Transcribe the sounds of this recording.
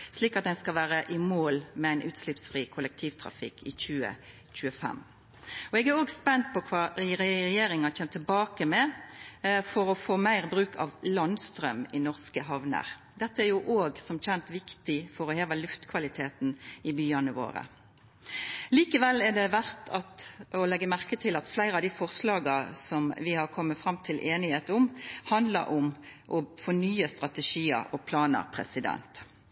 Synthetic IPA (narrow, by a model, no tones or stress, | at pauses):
sliːkɑt̪̚d̪æɪnskɑʋæːɾəʔɪmoːlmɛæɪnʔʉːt̪slɪpsfʁiːkʰʊlək̚t̪ʰiːʋt̪ʰɾɑ̰fɪ̰kʰːɪc͡çʉːə̰ | c͡çʉːəfɛ̰m | ɔɛɡæɾoːɡspɛnt̪̚pʰɔkʰʋɑːɾɛjeːɾɪŋɑt͡ʃeːmt̪ʰːɪlbɑːkəmɛ | fɔɾɔfoːmæɪʁbɾʉːkʰɑ̰ʋlɑnst̪ɾœmɪnɔʁskəɦɑʋnə̰ʁ | d̪ɛt̪ːəæɾjʊʔoːɡsɔmc͡çɛnt̪ʋɪkt̪ɪfɔɾɔheːʋəlʉft̪kʰʋɑlɪt̪ʰeːt̪n̩ɪbyːənəʋo̰ːɾə̰ | liːkəʋɛlːɛɖ̪ɛʋæʁt̪ʰɑt̪ɔlɛɡːəmæʁkət̪ʰɪlɑt̪flæɪɾəɑʋd̪iːfɔʁslɑːɡɑsɔmʋɪhɑʁkʰɔmːət̪fɾɑmt̪ʰɪlʔeːnɪheːt̪ʊmhɑnd̪lə̰ɾʔʊmʔɔfɔnyːəst̪ʁɑt̪əʂiːə̰ɾɔpʰlɑːnə̰ɾpʰɾɛ̰sɪd̪ɛ̰nt̪